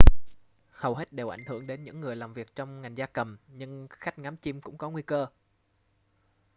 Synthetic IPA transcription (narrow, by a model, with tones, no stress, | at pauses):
hə˨˩wɦe˦˥t̚ɗe˨˩wʔa˧˩jŋ̟hɨ˧˩əŋɗe˨˦nɲɨ̰˧˥ŋːɨ˨˩əjlaː˨˩mvi˨˩ək̚t͡ɕɔ˧wŋ͡mŋa˨˩jŋ̟zaː˧kə˨˩mɲɨ˧ŋxa˦˥jk̟̚ŋaː˨˦mt͡ɕi˧mkʊ̰˧˥ŋ͡mkɔ˨˦ŋwi˧kəː˧